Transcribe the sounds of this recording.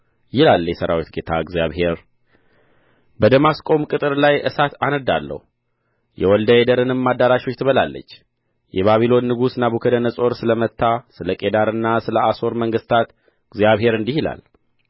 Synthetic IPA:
jɪlalːjɛsəɾa̰wit̪ɡe̞t̪ʰa̰ɡzija̰βhe̞ɾ | bəd̪əmaskʼo̞mkʼɨt̪ʼɨɾlajʔɨsat̪anəd̪alːə̰hu | jɛ̰wɔld̪əed̪əɾɨnɨmːad̪ːaɾaʃo̞t͡ʃːt̪ʰɨβəlalːə̰t͡ʃː | jɛβaβilo̞nːɨɡusnabukʰəd̪ənəsʼo̞ɾsɨləmət̪ːasɨləkʼe̞d̪aɾɨnːasɨləaso̞ɾməŋɡɨst̪ʰat̪ | ɡzijaβhe̞ɾɨnd̪ihila̰l

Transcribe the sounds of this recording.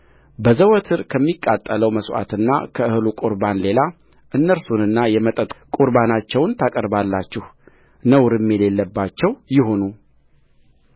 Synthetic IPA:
bəzəwɔt̪ʰɨɾkʰəmːikʼːat̪ʼːələwməswa̰t̪ɨnːa̰kʰəɨhɨlukʼuɾbanle̞la | ʔɨnːəɾsunɨnːajɛmət̪ʼət̪ʼkʼuɾbanat͡ʃːɛwnt̪ʰakʼəɾbalːat͡ʃːɪh | nəwɾɨmːele̞lːəbːat͡ʃːɛwjɪɦo̞nu

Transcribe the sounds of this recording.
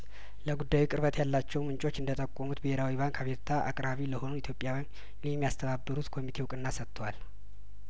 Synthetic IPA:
ləɡud̪ːajukʼɨɾβət̪ʰʼjalːat͡ʃːɛwmɨnt͡ʃʼo̞t͡ʃːɨnd̪ət̪ʼəkʼːomut̪bəheɾawiβaŋkaβeɾt̪ʰaʔa̰kʼɾaβiləho̞nuit̪ʰjo̞pʼjawjm | jɛmːijast̪ʰəβabːɨɾut̪kʰo̞mit̪ʰe̞wukʼɨnːasət̪ʰːəwal

